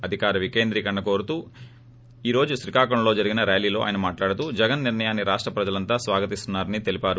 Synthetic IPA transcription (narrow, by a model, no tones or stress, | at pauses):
ɐd̪ʱikaːɾɐʋike̞ːnd̪ɾiːkɐɳɖɐko̞ːɾut̪uː | iːɾo̞ːd͡ʒuʃɾikaːkɐɳlo̞ːd͡ʒɐɾiɡinɐɾeːjliːlo̞ːʔa̰jɐnɐmaːʈlaːɽut̪uːd͡ʒɛɡɐnːiɾnɐjaːnːiɾaːʂʈɾɐpɾɐd͡ʒɐlɐnt̪aːsʋaːɡɐt̪ist̪unːaːɾɐnit̪e̞lipaːɾu